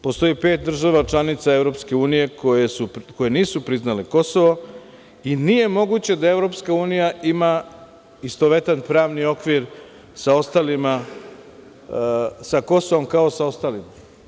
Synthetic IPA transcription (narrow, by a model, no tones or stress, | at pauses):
po̞st̪o̞jipe̞ːt̪̚d̪r̩ʒaʋat͡ʃlˠanit̪sae̞vɾo̞pske̞uːnije̞kojesuko̞je̞niːsupɾiznaleko̞soʋo | inije̞mo̞ɡut͡ɕe̞d̪ae̞ʋɾo̞pskauːnijaima | ist̪oʋe̞t̪anpɾaːʋnio̞kʋiɾ | sao̞st̪alima | sako̞so̞ʋo̞mkao̞sao̞st̪aːlima